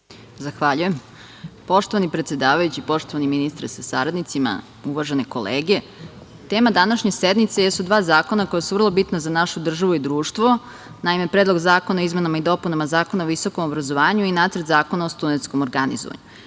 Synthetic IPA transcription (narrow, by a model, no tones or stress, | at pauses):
zaxʋaʎujem | po̞ʃt̪o̞ʋanipɾet̪sʲed̪aːʋajut͡ɕipo̞ʂt̪oʋaniminist̪ɾasasaɾad̪nit̪sima̰ | uʋaʒeneko̰leːɡe̞ | t̪eːmad̪anaʃɲesed̪nit̪sejesud̪ʋaːzaːko̞nako̞jasuʋr̩lˠo̞bit̪nazanaʃud̪r̩ʒaʋuid̪ɾuːʃt̪ʋo̞ | naime̞pɾeːd̪lˠo̞ɡzaːkonaoizme̞namaid̪o̞punamazaːkonaoʋiso̞komobɾazo̞ʋaːɲuinaːt̪səɾt̪zaːkonaost̪unet̪sko̞moɾɡanḭzo̰a̰ɲu